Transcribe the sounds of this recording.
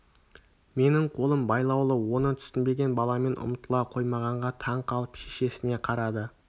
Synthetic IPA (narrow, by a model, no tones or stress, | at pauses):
me̞nɪɴqʰo̞lˠəmbɑjlˠɑwlˠəwo̞nət̪ʰʏ̥sɪnbe̞ɡʲe̞nbɑlˠɑme̞nʔʊ̰mt̪əlˠɑqʰo̞jmɑʁɑɴʁɑt̪ʰɑɴqʰɑlˠəpʃeʃe̞sɪne̞qʰɑɾɑd̪ə